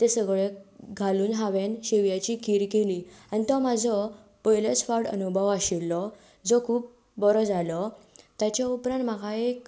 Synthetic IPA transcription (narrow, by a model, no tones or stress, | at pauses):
t̪esəɡɭeɡʱaluːnɦaʋenɕeʋjat͡ɕikʰiːɾkeliːanit̪ɔmad͡zʱɔ | pəjlət͡sfaɾɽə̰nubʱəʋaɕilːɔ | d͡zɔkʰuːp̚ | bɔɾɔd͡zʱalɔt̪jat͡ɕjaupɾãnt̪makʰaek